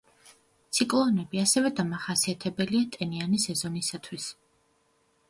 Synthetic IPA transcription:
t̪sʰikʼlˠɔnɛbiasɛvɛd̪amaχasiat̪ʰɛbɛliat̪ʼɛnianisɛzɔnisat̪ʰwis

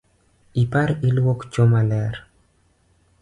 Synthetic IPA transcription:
ipaɾilwokt͡ʃomalɛɾ

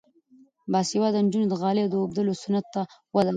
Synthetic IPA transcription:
bɑsiwɑd̪ənd͡ʒunod̪əɣɑled̪əobd̪əlosʊnat̪ːawad̪al

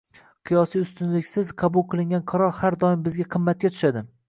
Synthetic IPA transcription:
qʰɨjɒsijʊst̪ʊnlɪkʲsɪzqʰɑbʊlˠqʰɨlˠɪŋɡʲanqʰɑɾɒɾhaɾd̪ɒɪmbɪzɡʲaqʰɨmːat̪̚kʲat̪ʰʊ̥ʃad̪ɪ

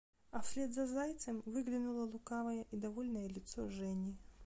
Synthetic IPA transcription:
ɐfsʲlʲed̪zɐzajt̪sɨmvɨɡlʲɪnulˠɐlˠʊkavɐjəʔid̪ɐvolʲnɐjəlʲɪt̪soʐɛnʲi

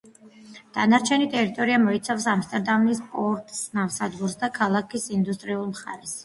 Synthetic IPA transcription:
d̪̥anaɾt͡ʃʰɛnit̪ʼɛɾit̪ʼɔɾiamɔit̪sʰafsamst̪ʼɛɾd̪avnispʼɔɾt̪ʼsnafsad̪ɡuɾsd̪akʰalˠakʰisind̪ust̪ʼɾiulˠmχa̰ɾɛs

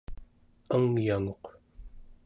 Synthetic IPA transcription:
əŋjaŋoq

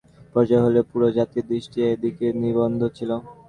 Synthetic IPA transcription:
pɔɾd͡ʑaeɦolepuɾod͡ʑat̪id̪ɾiʃʈieed̪ikeniβond̪ʱot͡ɕʰilo

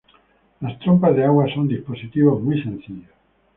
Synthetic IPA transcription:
last̪ɾompazðeaɣwasond̪isposit̪iβozmujsẽn̟θiʎos

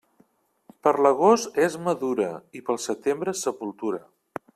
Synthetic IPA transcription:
pəɾləɣost̪ɛzməðuɾəipəlˠsət̪embɾəsəpulˠt̪uɾə

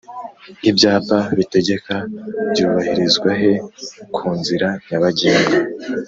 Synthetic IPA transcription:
ibjaːpaβite̞ɟe̞kab̥juːβahiɾizɡwaɦe̞kʰuːnziɾaɲaβaɟiːŋɡa

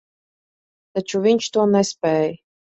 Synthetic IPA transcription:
t̪at͡ʃuvʲiɲʲt͡ʃt̪uɔnɛspʲɛːj

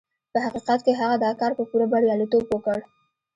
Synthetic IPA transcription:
pəɦaqiqat̪keɦaɣad̪ɑkɑɾpəpuɾabaɽjɑlit̪obwəkəɽ

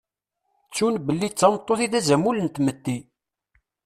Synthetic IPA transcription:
t͡sːunbəlːit͡sːɑmt̪ˤːoθiðæzæmulənt̪mət̪ːi

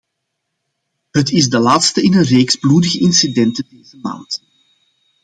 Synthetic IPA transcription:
ɦətɪzdəlaːtstəɪnənreːkzbludəɣəʔɪnsidɛntədeːzəma̰ːnt

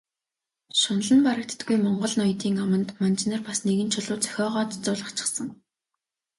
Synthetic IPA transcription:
ʃʊn̆ɮə̆npaɾə̆k̚t̪ːɡujmɔɴɢɞ̆ɮnɔj̆t̪iːŋamə̆nt̪mant͡ɕnə̆rpasneɣɘ̆nt͡ɕʰʊɮʊːt͡sœ̥xʲɔːʁɔːt̪t͡sʊːɮə̆χt͡ɕʰɪ̥̆χsə̆ŋ

